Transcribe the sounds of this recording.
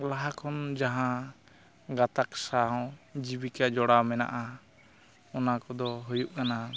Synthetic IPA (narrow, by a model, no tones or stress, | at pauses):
laɦakʰɔnd͡ʒaɦã | ɡat̪aksaɔ̃d͡ʒibikad͡ʒɔɽamɛna̰ʔa | ɔnakɔd̪ɔɦujuʔkana